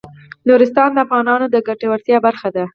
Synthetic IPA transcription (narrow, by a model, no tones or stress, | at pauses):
nuɾɪst̪ɑnd̪əafɣɑnɑnod̪əɡaʈawaɾt̪jɑbaɾxad̪a